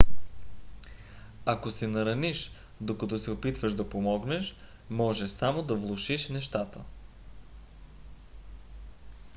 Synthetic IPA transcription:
akosɛnɐɾɐniʃ | d̪okɐt̪ɔsɛopit̪vəʃd̪ɐpomɔɡnɛʃ | mɔʒɛsamod̪ɐvlˠoʃiʃnɛʃt̪at̪ə

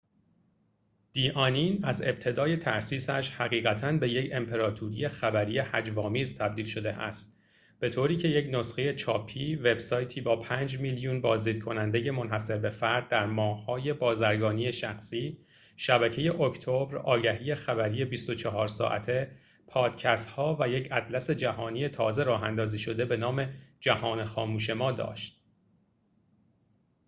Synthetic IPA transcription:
d̪̥iːʔɒːniːnæze̞̰b̚t̪ʰe̞d̪ɒːje̞t̪ʰæʔsiːsæʃhæɣiːɣæt̪ʰænbe̞jecʰe̞mpʰe̞ɾɒːt̪ʰuɾije̞xæbæɾijehæd͡ʒvɒːmiːzt̪ʰæb̚d̪iːlʃo̞d̪e̞ʔæ̰st̪̚ | b̥e̞t̪ʰoːɾiːcʰe̞je̞cnosxeje̞t͡ʃʰɒːpʰiːve̞bsɒːjt̪ʰiːbɒːpʰæːnd͡ʒmiljunbɒːzd̪iːd̪̥̚kʰo̞nænd̪e̞je̞mo̞nhæse̞ɾbe̞fæɾd̪̚ːæɾmɒːhːɒːje̞bɒːzæɾɡɒːniːje̞ʃæxsiː | ʃæbæcʰe̞je̞ʔocʰt̪ʰobɾɒːɟæɦiːje̞xæbæɾiːje̞bist̪o̞t͡ʃʰɒɦɒːɾsɒ̰ːʔæ̰t̪ʰe̞ | pʰɒːd̪̥cʰæst̪hɒːvæjecʰæd̪læse̞d͡ʒæhɒːniːje̞t̪ʰɒːze̞ɾɒːɦænd̪ɒːziːʃo̞d̪e̞be̞nɒːme̞d͡ʒæhɒːnexɒːmuːʃe̞mɒːd̪ɒ̰ːʃt̪̚

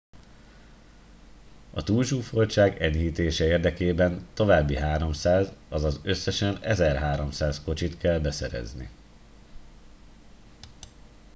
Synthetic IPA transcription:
ɒt̪uːlʃuːfo̞lt͡ʃaːɡɛɲɦiːt̪eːʃɛeːrd̪ɛkeːbɛnt̪o̞vaːbːiɦaːɾo̞msaːzɒzɒzø̞sːɛʃɛnɛzɛrɦaːɾo̞msaːsko̞t͡ʃit̪kɛlbɛsɛɾɛ̰znḭ

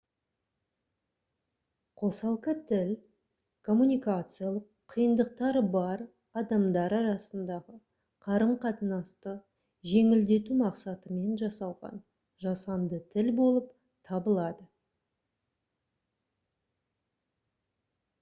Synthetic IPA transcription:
qʰo̞sɑlˠqət̪ʰɪl | kʰo̞mːunʲijkat̪sɨjalˠəqʰːəjənd̪əq̚t̪ɑɾəbɑɾ | ɑd̪ɑmd̪ɑɾɑɾɑsənd̪ɑʁə | qʰɑɾəmqʰɑt̪ənɑst̪ə | ʒe̞ŋɪld̪e̞t̪umɑqsɑt̪əme̞nʒɑsɑlˠʁɑ̰n | ʒɑsɑnd̪ət̪ʰɪlbo̞lˠəp | t̪ʰɑbəlˠɑd̪ə

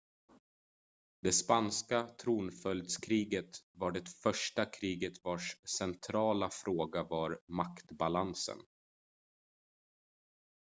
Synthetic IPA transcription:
d̪̥ɛspanskat̪ʰɾuːnfœld̪skʰɾiːɡət̪vaɖɛfœʂʈakʰɾiːɡət̪vaʂsɛnt̪ʰɾɑːlafɾoːɡavaɾmakt̪balansə̰n

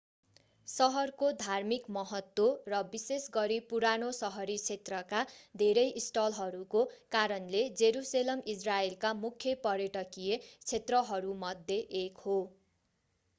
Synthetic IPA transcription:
sʌɦʌrkod̪ʱarmikmʌɦʌt̪worʌbisesɡʌɾipuɾanosʌɦʌɾit͡sʰet̪rʌkad̪ʱeɾʌjʔisʈʌlɦʌɾukokaɾʌnled͡zeɾuselʌmisraelkamukʰjʌpʌɾjʌʈʌkijet͡sʰet̪rʌɦʌɾumʌd̪ʱjeʔekho

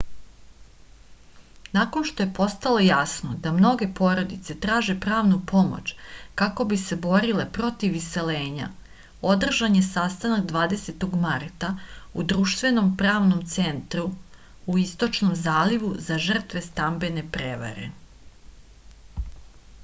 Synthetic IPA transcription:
nako̞nʃt̪o̞je̞po̞st̪alˠo̞jasno̞d̪amno̞ɡe̞po̞ːɾo̞d̪it̪se̞t̪ɾaːʒe̞pɾaːʋnupo̞mo̰t͡ɕkako̞bise̞bo̞ɾile̞pɾo̞t̪iʋːise̞leːɲa̰ | o̞d̪r̩ʒaɲe̞sast̪anakd̪ʋaːd̪e̞set̪o̞ɡmaɾt̪aud̪ɾuːʃt̪ʋe̞no̞mpɾaːʋno̞mt̪se̞nt̪ɾu | uist̪o̞t͡ʃnomzaːliʋuzaʒr̩t̪ʋe̞st̪ambe̞ne̞pɾeʋa̰ɾe̞̰

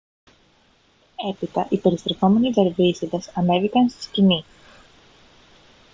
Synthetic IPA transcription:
e̞pit̪ɐʔipe̞ɾist̪ɾe̞θo̞me̞niðeɾvisiðɐsɐne̞vikɐnst̪i̥scini

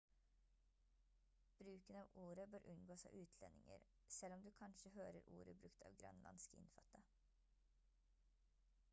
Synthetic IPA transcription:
b̥ɾʉːkənɑːʋuːɾəbøːɾʔʉnɡoːsɑːʔʉːt̪ʰlɛnːɪŋə̰ɾ | sɛlɔmd̪ʉːkʰɑnʃəhøːɾəɾṵːɾəbɾʉkt̪ʰɑːʋɡɾɑ̰nlʔɑnskɪ̰nfɑt̪ːə

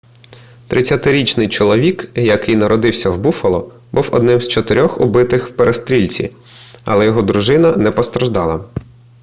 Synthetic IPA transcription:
t̪ɾʔɪt͡sʲːɐt̪ɪɾʲit͡ʃnɪjt͡ʃɔlˠɔʋʲikjɐkɪjnɐɾɔd̪ɪwsʲɐwbufɐlˠɔ | buwɔ̰d̪nɪmz̥t͡ʃɔt̪ɪɾʲɔxʊ̰bɪt̪ɪxwpeɾest̪ɾʲilʲt͡sʲḭ | ɐ̰lˠɛjɔɦɔd̪ɾʊʒɪnɐnɛpɔst̪ɾɐʒd̪ɑlˠɐ

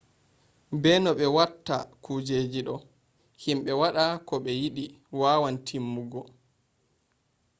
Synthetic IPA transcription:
bɛnɔɓɛwatːa̰kud͡ʒeːd͡ʒiɗɔ | himɓɛwaɗakɔɓɛjiɗi | waːwantʰimːuɡɔ

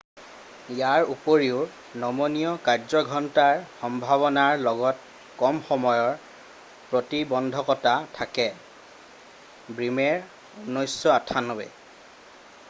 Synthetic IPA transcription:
ijaɹupoɹiʊ | nɔmoniɔkaɹzɔɡʱɔntaɹxɔmbʱaβɔnaɹlɔɡɔt̚ | kɔmxɔmɔjɔɹ | pɹotibɔndʱɔkɔtatʰakɛ | bɹimɛɹ | onojsːɔatʰanɔbɛ̰

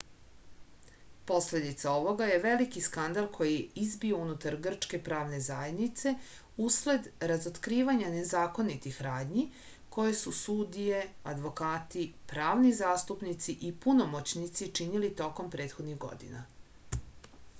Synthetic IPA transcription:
po̞sle̞d̪it̪sao̞ʋo̞ɡaje̞ʋe̞likiskand̪alˠkʰo̞jiizbio̞unut̪aɾɡr̩t͡ʃke̞pɾaːʋne̞zajed̪nit̪se̞ | usle̞d̪ɾazot̪kɾiːʋaɲane̞zaːko̞nit̪ixɾaːd̪ɲi | ko̞je̞susud̪ije̞ad̪ʋo̞kaːt̪ipɾaːʋnizaːst̪upnit̪siʔipunomot͡ɕnit̪sit͡ʃinilit̪o̞ko̞mpɾe̞ːt̪xo̞d̪niɣɡo̞̰d̪ḭna̰

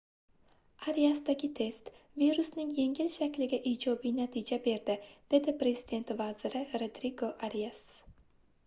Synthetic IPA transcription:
ʔaɾiasd̪aɡʲɪt̪ʰest̪viɾʉsnɪŋjeŋɡɪlʃækʲlɪɡʲaʔiːd͡ʒɒbinat̪ʰid͡ʒabeɾd̪ɪd̪̥ed̪ɪpʰɾesɪd̪ent̪vɑːzəɾɪɾed̪ɾiɡoʔaɾias

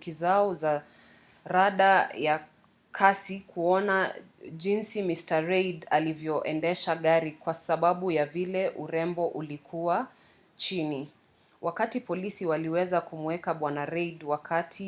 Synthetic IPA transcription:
kizaɔza | ɾaɗaja | kʰasikʰuɔna | ʄinsimistaɾejdalivjɔʔɛndɛʃaɠaɾikwasaɓaɓujavilɛʔuɾɛmbɔʔulikʰuwa | t͡ʃini | wʔakatipɔlisiwaliwɛzakumuɛkaɓwanaɾɛɗwakatʰi

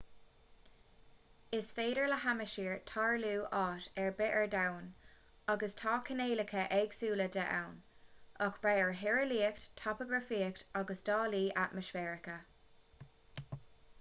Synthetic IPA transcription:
ɪsfeːɾəɹləhaməʃiːɹtʰɑːɹluːʔɑːtɛɹbɪʔɛɹdawn | ɑɡəstʰɑːkʰəneːləkʰəʔɛɡsuːlədəʔa̰wnʔɔkb̥ɹajəɹɦɪɹəliːəkttʰɔpəɡɹəfiːəktʰɔɡəsd̥ɑːliːʔatmɪʃfɛːɹɪkə

